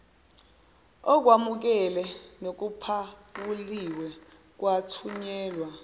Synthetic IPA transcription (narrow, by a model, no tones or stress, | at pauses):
ɔk̬wamuk̬ɛlɛnok̬upʰaɓuliwɛ | k̬watʰuɲɛːlwa